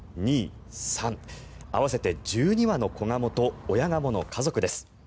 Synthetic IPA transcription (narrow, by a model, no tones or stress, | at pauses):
ɲ̟iːsãɴa̰βase̞t̪e̞d͡ʑɨːɲ̟iβano̞ko̞ŋamo̞t̪o̞ːjaŋamo̞no̞kʰazo̞kɯ̟d̪e̞sɨ̥